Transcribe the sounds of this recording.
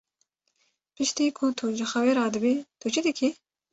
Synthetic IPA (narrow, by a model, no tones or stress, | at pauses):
pɪʃt̪iːkʰʊt̪ʰuʒɪxɐweːɾɑːd̪ɨbiːt̪ʰut͡ʃʰid̪ɨkʰi